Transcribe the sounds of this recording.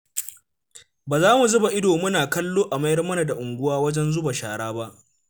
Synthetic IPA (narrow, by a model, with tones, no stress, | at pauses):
baː˨zaː˦mu˨zʊ˦ba˨ʔɪ˦doː˨mʊ˦naː˨kɐ˦lːoː˦ʔa˨ma˦jɐ˦rmɐ˦na˨da˨ʔʊ˨ŋɡʷʊ˦waː˦wɐ˦d͡ʒɛ˦nzʊ˦ba˨ʃaː˨ɽaː˦ba˦ʔ